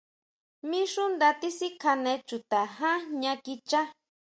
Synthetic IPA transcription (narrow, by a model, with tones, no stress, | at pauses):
mĩ˦ʂũ˦nd̪a˧t̪i˦si˦kʰa˧nẽ˧t͡ʃu˨t̪a˨ɦã˦ɲã˧ki˧t͡ʃa˦